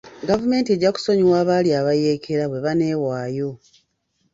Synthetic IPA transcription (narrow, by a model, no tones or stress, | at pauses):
ɡavume̞ːntie̞ɟːaku̥so̞ɲiwaːβaljiaβajeːkʰe̞ɾaβwe̞βane̞ːwaːjo̞